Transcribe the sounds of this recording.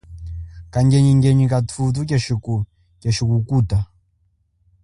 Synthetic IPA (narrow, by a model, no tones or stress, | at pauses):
kaŋɡɛɲiŋɡɛɲikatʰutuk̬ɛʃiku | kɛʃikukuta